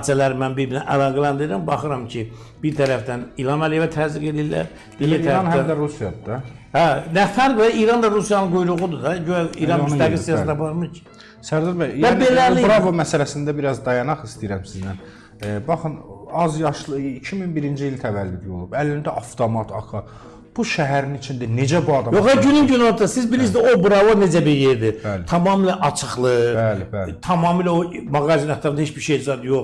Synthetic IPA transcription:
t͡ʃælæɾmænbiɾbinæʔælˠɑːɡælænd̪ɯɾɯɾɯmbɑχɯɾɑmcʰi | b̥iɾt̪ʰæɾæfd̪ænilˠhɑmælijevæt̪ʰæziɡe̞d̪illːæ̰ɾ | b̥ieæɾɑnhæd̪æɾusijɑd̪d̪æhænæfæɾɡvæiɾɑnd̪ɑɾusijɑnɯnɡujɾuɣud̪ud̪æɟøæḭːɾɑnmysæɡilsijɑsnɑbɑɾmɯcʰi̥ | sæɾd̪ɑɾbæjvæbelːæɾniɾɑvomæsælæsind̪æbiɾɑzd̪ɑjɑnɑχist̪ijiɾæmsiznæn | bɑχɯnɑzjɑʃlˠɯicʰiminbiɾind͡ʒiilʲt̪ʰævælːyɟo̞lˠubælːind̪æʔɑft̪ʰomɑt̪ʰɑ̰kʰɑ | b̥uʃæɦæɾinit͡ʃʰind̪ine̞d͡ʒæbuɑd̪ɑmjoχɑɟynymɟynolˠt̪ɑsizbilis̬obuɾɑvone̞d͡ʒæbiɾjeɾd̪ibælt̪ʰɑmɑːmilæʔɑt͡ʃʰɯχlˠɯbælibælt̪ʰɑmɑːmilæo | mɑɡɑzinɑt̪ːɑɾnhet͡ʃbiɾʃejd͡ʒzɑd̪joχ

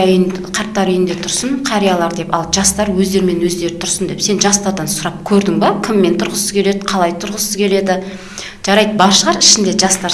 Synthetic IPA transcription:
qʰɑɾt̪ːɑɾʏjɪnd̪e̞t̪ʰʊɾsəɴqʰɑɾijɑlˠɑɾd̪e̞pɑ̰lˠʒɑst̪ɑɾwɵzd̪e̞ɾɪme̞nwɵzd̪e̞ɾɪt̪ʰʊɾsənd̪e̞pse̞nʒɑst̪ɑɾd̪ɑnsʊɾɑp̚kʲʰɵɾd̪ɪŋbɑkʲʰɪmːe̞nt̪ʰʊɾʁəsəz̥kʲʰe̞le̞d̪ɪqʰɑlˠɑjt̪ʰʊɾʁəsəzkʲʰe̞le̞d̪ɪ | ʒ̥ɑɾɑjd̪əbɑʃəʁɑɾɪʃɪnd̪e̞ʒɑst̪ɑ

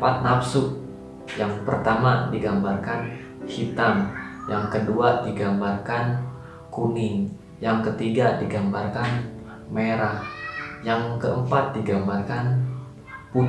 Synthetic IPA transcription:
pat̪̚napsʊʔ | jaŋpərt̪amadiɡambarkan | hit̪amjaŋkəduadiɡambarkan | kunɪŋ | jaŋkət̪iɡadiɡambarkan | meɾahjaŋkəəmpat̪̚diɡambarkan | pu

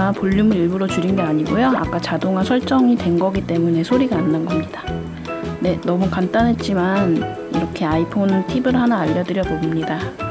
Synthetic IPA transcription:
poʎːumɯɾiɭbuɾot͡ɕuɾinɡe̞aɲiɡojoa̰k͈at͡ɕadoŋasʰʌɭt͡ɕ͈ʌŋitwe̞nɡʌɡit͈e̞mune̞sʰoɾiɡaːnːanɡʌmɲid̥a | ne̞nʌmukant͈anɦe̞t̚t͡ɕ͈iman | iɾʌkʰe̞aipʰontʰibɯɾhanaːʎːʌdɯɾjʌbomɲida

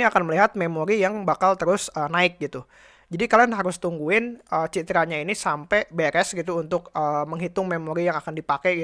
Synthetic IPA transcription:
niakanməliɦat̪̚memoɾijaŋbakalt̪əɾʊsənaɪk̚ɡit̪u | d͡ʒadikalanɦaɾʊst̪uŋɡuɪnəːt͡ʃit̪əɾaɲainisampɛbeɾɛsɡit̪uːnt̪ʊkəməŋɦit̪ʊŋmemoɾijaŋakandipakɛɡi

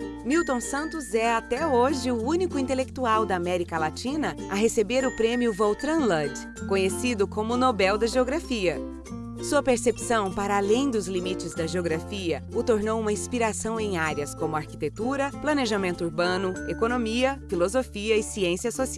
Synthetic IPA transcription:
miwt̪õw̃sɐ̃nt̪ʊzɛat̪ɛoʒɪʊũnikʊĩt̪elekt̪uawd̪ɐamɛɾikɐlat͡ʃĩnɐɐɦesebeɾʊpɾẽmjʊvowt̪ɾɐ̃lɐd | kõɲesid̪ʊkõmʊnobɛwd̪ɐʒeoɡɾafiɐ | suɐpeɾsepsɐ̃w̃paɾɐalẽj̃d̪ʊzlimit͡ʃɪzd̪ɐʒeoɡɾafiɐʊt̪oɾnowũmɐĩspiɾasɐ̃w̃ẽj̃aɾjɐskõmʊaɾki̥t̪et̪uɾɐplɐneʒamẽnt̪ʊuɾbɐ̃nʊekonomiɐfilozofiɐɪsiẽsiɐsosi

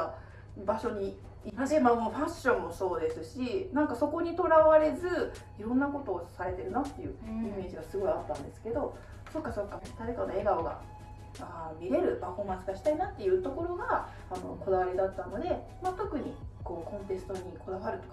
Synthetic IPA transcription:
a | baɕo̞ɲ̟i | iamamoɸaɕːõ̞mːo̞so̞ːd̪e̞sɨɕinãŋkaso̞ko̞ɲ̟it̪o̞ɾaβaɾe̞zɨ | iɾõ̞nːako̞t̪o̞ːsaɾe̞t̪e̞ɾɯ̟nat̪ːe̞jɯ̟̰ime̞ːʑiɡasɨɡo̞iat̪ːãnd̪e̞sɨ̥ke̞d̪o̞ | so̞kːaso̞kːad̪̥aɾe̞kanoe̞ɡaoɡa̰ | aːmʲiɾe̞ɾɯ̟paɸo̞ːmãsɨɡaɕi̥t̪ainat̪ːe̞jɯ̟ːt̪o̞ko̞ɾo̞ɡa | ano̞̰ko̞d̪aβaɾʲid̪at̪ːano̞d̪e̞ | mat̪o̞kɯ̟ɲ̟iko̞ːkõ̞nt̪e̞sɨ̥t̪o̞ɲ̟ikʰo̞d̪aβaɾɯ̟t̪ok

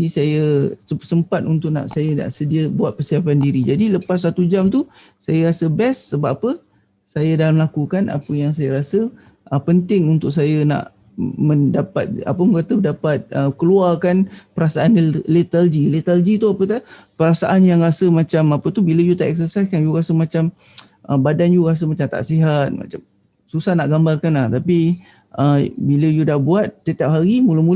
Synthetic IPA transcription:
disajəsəəsəmpat̪̚unt̪ʊʔ̚na̰ʔsajəna̰ʔsədiəbuat̪̚pərsiapandiɾid͡ʒadiləpas̬ːat̪ud͡ʒamt̪u | sajəɾasəbɛsːəbaʔapə | sajadalaməlakukanʔa̰pəjaŋs̬ajəɾasə | ʔəpənt̪ɪŋunt̪ʊk̚sajəna̰ʔ | mə̃dapat̪̚a̰pəməkat̪əməndapat̪̚əkəluarkanpəɾasaanlit̪ald͡ʒilit̪ald͡ʒit̪uapət̪a | pəɾasaʔanjaŋrasəmat͡ʃamapət̪ubiləjut̪aʔɛk̚s̬ərsajskanjuɾasəmat͡ʃam | ʔəbadanjuɾas̬əmat͡ʃamt̪a̰ʔsiɦat̪̚ma̰t͡ʃam | susahnaʔɡambarkanlaht̪api | ʔəbiləjudahbuat̪̚ːət̪iap̚ɦaɾimuləmula

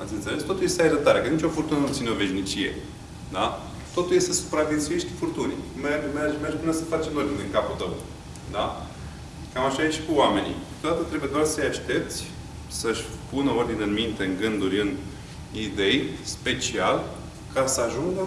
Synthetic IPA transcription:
at̪sʲɨnt̪sele̞st̪o̞t̪ulje̞st̪eajɾət̪aɾekənit͡ʃʲo̞furt̪unənupt̪ineo̞ve̞ʃnit͡ʃije̞̰ | d̪a | t̪o̞t̪uljest̪e̞su̥pɾavensujeʃt̪i̥furt̪unḭmeɡmerd͡ʒmerd͡ʒbunəsə̥fat͡ʃemlord̪inʲɨŋkaput̪əw | d̪a | kamaʃait͡ʃʲkuoame̞nḭkɨ̥t̪od̪at̪ət̪ɾebuje̞d̪oarsəjaʃt̪e̞p̚t̪sʲ | səʃʲpunəo̞rd̪ineɨnmint̪e̞ɨŋɡɨnd̪uɾʲɨn | id̪e̞jspe̞t͡ʃial | kʰasəaʒuŋɡə

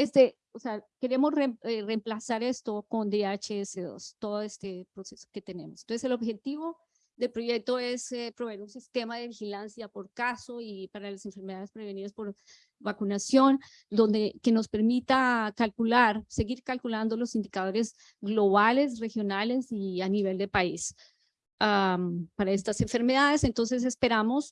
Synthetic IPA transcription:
est̪e | oseake̞ɾe̞mosreeremplasaɾe̞st̪oko̞nd̪eat͡ʃeeseðo̰st̪o̞ðoest̪epɾo̞se̞so̥ke̞t̪e̞ne̞mosent̪seselo̞βbxe̞t̪iβo̞ | ðe̞lpɾo̞ʝe̞k̚t̪o̞e̞sepɾo̞βeɾunsist̪e̞maðe̞βixilansjapo̞ɾkaso̞ipaɾalase̞ɱfe̞ɾme̞ðaðespɾe̞βe̞niðaspo̞ɾ | βakunasjo̞n | d̪o̞nd̪eke̞no̞spe̞ɾmit̪akalkulaɾse̞ɣiɾkalkuland̪o̞lo̞sind̪ikað̞o̞ɾez | ɡlo̞β̞ale̞s̬rexjo̞nale̞sianiβe̞ld̪e̞pais | ampaɾae̞st̪ase̞ɱfe̞ɾmeð̞aðe̞se̞nt̪o̞ns̬e̞s̬e̞spe̞ɾamo̞s

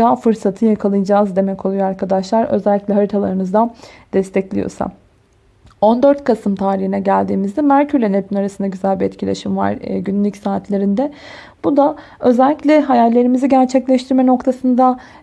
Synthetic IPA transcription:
aːfɯɾsat̪ʰɯjakʰalˠɯjd͡ʒaːzd̪e̞mɛcʰo̞lˠujoaɾkʰad̪aʃlˠaɾø̰zɛlʲːiclʲɛɦaɾit̪ʰalˠaɾɯmɯzd̪ad̪̥ɛst̪ʰɛclʲḭjo̞̰sa̰ | o̞nd̪ø̞ɾt̪kʰasɯmt̪ʰaːɾihinɛɟælʲd̪iːmizd̪ɛmæɾcʰyɾlʲɛnep̪ʰinaɾasɯnd̪aɟyzælʲbiɛt̪cʰilʲḛʃimva̰ɾɟynlʲycsaːt̪ʰlʲe̞ɾind̪ɛ | b̥ud̪a | ø̞zɛlʲːicʲlʲɛɦajalʲːe̞ɾimiziɟæɾt͡ʃʰɛclʲɛʃt̪ʰiɾmɛno̞kt̪ʰasɯnd̪a

